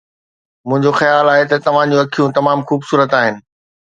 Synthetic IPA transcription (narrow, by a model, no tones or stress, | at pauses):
mʊ̃ɦɪ̃ɲd͡ʑoxɐjaːlaːɦet̪ɐt̪ɐʋ̤ãd͡ʑũɐkʰijũt̪ɐmaːmxuːbsuːɾət̪aːɦɪnɪ̆